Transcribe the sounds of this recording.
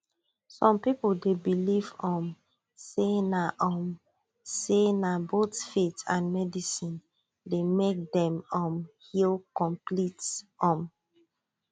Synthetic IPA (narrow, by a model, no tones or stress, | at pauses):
sɔ̃mpipuldebilivɔ̃m | senaʔɔm | senabotfetãnmɛdisĩn | demek̚dɛ̃mɔ̃mhilkɔ̃mplitɔ̃m